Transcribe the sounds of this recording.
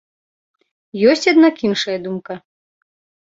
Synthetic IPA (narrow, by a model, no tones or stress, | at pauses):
jɔsʲt͡sʲad̪nakinʂɐjɐd̪umkɐ